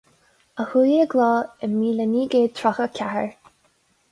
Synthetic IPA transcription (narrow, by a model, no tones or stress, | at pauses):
əhujəɡlɔːɪmiːləniːɡeːt̪ʰɹɔxəkʲʰahə̰ɹ